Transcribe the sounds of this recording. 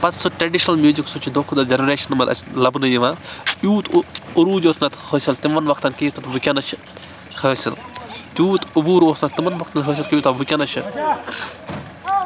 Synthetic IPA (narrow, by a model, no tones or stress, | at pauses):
pɐt̪suʈɾɐɖiʃnɐlmjuːziksut͡ʃʰid̪oːkʰud̪ɐd͡ʒɐnɐɾeːʃɐnmɐd̪ɐ̰lɐbnɨjiʋãːjuːt̪ʰuɾuːd̪ʲjoːsnɐt̪ʰhoːsʲilt̪imɐnʋɐkʰt̪ɐnkijit̪ʰɐt̪ʋukʲɐnɐt͡ʃʰi | həːsilt̪ʲjuːt̪ubuːɾoːsnɐt̪imɐnʋɐkʰt̪ɐnɦəːsʲilkijut̪ɐʋukʲɐnɐt͡ʃʰi